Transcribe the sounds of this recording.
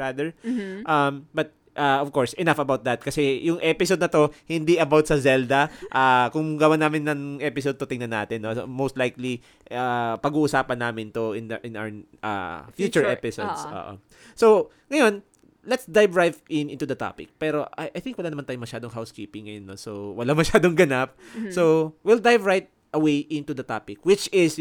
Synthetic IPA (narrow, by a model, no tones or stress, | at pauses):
ɹad̪ɛɹʔɐmbɐt̪̚ | ʔaʔɔv̥koɹsʔɛnafɐbawt̪̚d̪ɐt̪̚kɐsɛjʊŋʔɛpɪsod̪̚nɐt̪o̞hɪnd̪iʔɐbawt̪̚sɐzɛld̪ɐʔaːkʊŋɡɐwanaːmɪnːɐŋʔɛpɪsod̪̚t̪ot̪ɪŋnɐnːaːt̪ɪnːosmost̪lajkli | apɐɡuːʔʊsaːpɐnːaːmɪnt̪oʔɪnd̪ɐʔɪnaw | ʔa̰fjuːt͡ʃʊɹʔɛpɪsod̪sʔo̰ʔo̰ | sow | ŋɐjo̞n | lɛt̪sd̪ajvɹajvʔɪnɪ̃nt̪ud̪ɐt̪a̰ːpɪk̚pɛːɾo̞ʔajʔɐjθɪ̃ŋkwɐlaːnɐmanaːjomɐʃaːd̪oŋɦawskiːpɪŋːɐjonːosowɐlaŋmɐʃaːd̪oŋɡɐnap̚sowild̪ajvɹajt̪̚ | ɐwejʔɪnt̪ud̪ɐt̪aːpɪkwɪt͡ʃɪs